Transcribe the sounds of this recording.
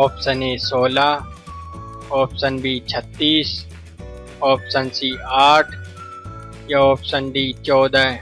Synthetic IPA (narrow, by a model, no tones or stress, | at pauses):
ɔːpsəneːsoːla | ɔːpsənbʱiːt͡ʃʰət̪ːiːs | ɔːpsənsiaːʈʰ | jaɔːpsənbʱiːt͡ʃɔːd̪a